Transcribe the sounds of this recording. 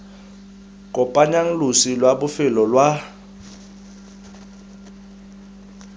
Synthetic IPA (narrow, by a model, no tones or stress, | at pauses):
kʼɔpʼaɲaŋ̩lusilwaɓʊfɪlɔlwa